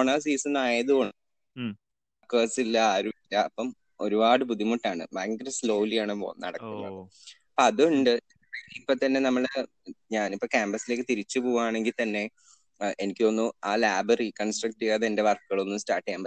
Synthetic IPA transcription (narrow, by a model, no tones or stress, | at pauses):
oɳaːs̬iːsɐnaːjɐðuoɳ | akeːsilːɐaːɾuilːɐːpːɐm | o̞ɾubaːɽɨpuðimuʈːaːɳɨ̰baɐŋɡɐɾɐsloːlijaːɳɨo̰nɐ̰ɽɐkːunːɐ̰ðɨɐpːoɐðuɳɖɨ | ɐipːot̪ɐnːe̞nɐmːɐɭ | ɲaːnipːoːkaːmbɐsile̞ːkːɨt̪iɾit͡ɕːupoːɣaːɳe̞ŋɡilt̪ɐnːe̞ | ʔenikʲːɨo̞nːuaːlaːbɐrikːɐnsʈrɐk̚ʈːɨɣaːðende̞ʋɐrkːuɣɐɭonːusta̰ːrʈːiaːmbɐ